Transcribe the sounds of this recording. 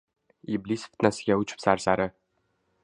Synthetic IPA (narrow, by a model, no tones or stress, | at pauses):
iblisft̪nasɪɡʲaʊt͡ʃʰɪ̥psaɾsaɾɪ